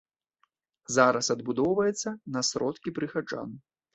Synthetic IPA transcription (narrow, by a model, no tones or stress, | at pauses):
zaɾɐsɐd̪bud̪ɔwvɐjɛt̪sːɐnɐsɾɔt̪kʲipɾɨxad͡ʐa̰n